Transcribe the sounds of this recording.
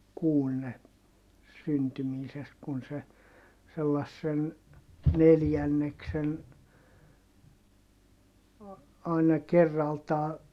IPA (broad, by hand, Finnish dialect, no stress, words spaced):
kuːn ne syntymiːsest kun se selːɑsːen neljænːeksen ɑˑinɑ kerːɑltɑː